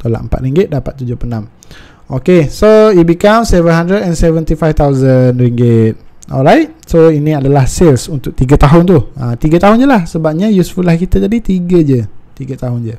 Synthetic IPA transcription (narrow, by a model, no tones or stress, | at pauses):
t̪ola̰ʔəmpa̰t̪̚ɾiŋɡɪt̪̚dapat̪ːud͡ʒʊpənãm | okesoibikamsɛvənɦãndɾədɛ̃nsɛvə̃nt̪ifajft̪awzənriŋɡɪt̪̚ɔ̰lɹajt̚soinĩadalahselsunt̪ʊk̚t̪iɡət̪aɦʊnt̪uə̃t̪iɡət̪aɦʊnd͡ʒəlahsəbap̚ɲə̃jusfulahkit̪ət̪adit̪iɡəd͡ʒət̪iɡət̪aɦʊnd͡ʒə